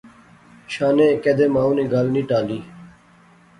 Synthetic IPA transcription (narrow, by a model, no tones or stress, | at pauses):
ʃaːnẽːked̪eːmaːuniːɡaːlniːʈaːliː